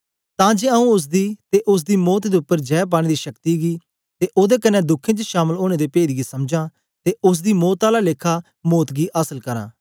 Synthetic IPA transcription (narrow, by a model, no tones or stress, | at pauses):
t̪ãːd͡ʒeːəũːʊs̬d̪iːt̪eːʔʊs̬d̪iːmɔːt̪d̪eːʊpːəɾd͡ʒɛːp̬aːɽ̃ẽːd̪iːʃəkt̪iːɡiː | t̪eːʔoːd̪eːkənːɛ̃ːd̪ʊkʰːẽːt͡ʃʃaːməloːñẽːd̪eːpeːd̪ɡiːsəmd͡ʒãː | t̪eːʊs̬d̪iːmɔːt̪aːlaːlekʰaː | moːt̪ɡiːʔaːsəlkəɾã̰ː